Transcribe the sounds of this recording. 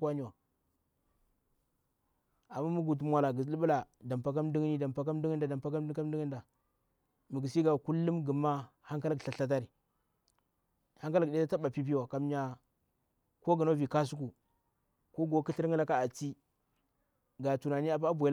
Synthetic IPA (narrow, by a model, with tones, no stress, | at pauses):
ka˦ni˦wa˨ | a˨mːa˦mu˦ɡu˨t̬mwa˨la˨ɡi˨li˦ɓla˨da˨mpa˦k̬a˦mdu˦ŋ˦ni˦da˨mpa˦k̬a˦m˦du˦ŋ˦nda˨da˨mpa˦ka˦m˦dka˦m˦di˦ŋ˦n˦da˨ | mi˨ɡi˨si˦ɡa˨ku˦lːu˦mɡə˨mːa˦ha˦ŋ˦ka˦lɡɬa˨ɬa˦t̬a˦ɾi˨ | ha˦ŋka˦lɡde˦a˦ta˦ɓa˨pi˦p̬i˦wa˨ka˨mɲa˨ | ko˦ɡə˨no˦vi˨ka˦s̬u˦k̬u˨ | ko˦ɡo˨˦ki˦ɬi˦ɾŋi˦la˦ka˦a˨ti˦ | ɡa˨tu˨na˨ni˦a˨pa˦bʷe˨˦l